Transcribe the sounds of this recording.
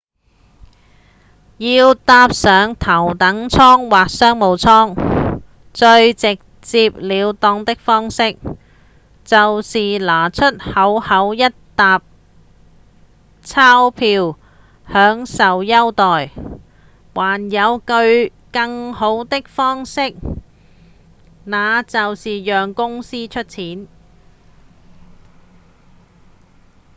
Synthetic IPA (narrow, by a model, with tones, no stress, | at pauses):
jiː˧wt̪aː˧p̚sœː˨˧ŋt̪ʰɐ˨˩wt̪ɐ˨˥ŋt͡sʰɔː˥ŋwaː˨k̚sœː˥ŋmo˨˧wt͡sʰɔː˥ŋ | t͡ʃɵ˧ɥt͡sɪ˨k̚ | t͡siː˧p̚liː˨˧wt̪ɔː˧ŋt̪ɪ˥k̚fɔː˥ŋsɪ˥k̚ | t͡sɐ˨wsiː˨laː˨˩t͡ʃʰɵ˥t̚hɐ˨˥whɐ˨˥wjɐ˥t̚t̪aː˧p̚ | t͡sʰaː˥wpʰiː˧w | hœː˨˥ŋsɐ˨wjɐ˥wt̪ɔː˨˩j | waː˨˩njɐ˨˧wkɵ˧ɥ | kɐ˧˥ŋho˨˥wt̪ɪ˥k̚fɔː˥ŋsɪ˥k̚ | naː˨˧t͡sɐ˨wsiː˨jœː˨ŋkʊ˥ŋsiː˥t͡ʃʰɵ˥t̚t͡sʰiː˨˥n